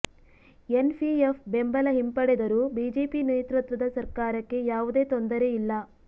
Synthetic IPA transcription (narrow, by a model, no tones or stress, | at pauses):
enpʰiefbembɐlɐɦimpɐɽed̪ɐɾubiːd͡ʒeːpineːt̪ɾut̪ʋɐd̪ɐsɐɾkaːɾɐkːe̞jaːʋud̪e̞ːt̪ond̪ɐɾe̞ilːɐ